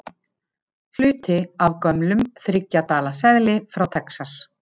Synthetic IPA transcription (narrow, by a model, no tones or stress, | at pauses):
l̥ʏːt̪ɪavkœmlʏmθɾɪcːat̪aːlasɛðlɪfɾawt̪ʰɛksas